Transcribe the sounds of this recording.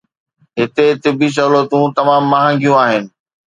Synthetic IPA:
ɦɪt̪et̪ɪbis̬ɐlət̪ũt̪ɐmaːmːaːɦãːŋɡijũaːɦɪnɪ̆

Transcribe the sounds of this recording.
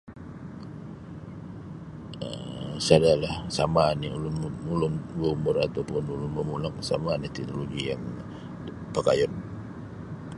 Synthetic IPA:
əmsadalahsamaniulʊnʊnulʊnwomʊrat̪awpʊnulʊnmumulak̚sa̰manit̪ɛk̚noloɡijaŋ | pəka̰jɔn

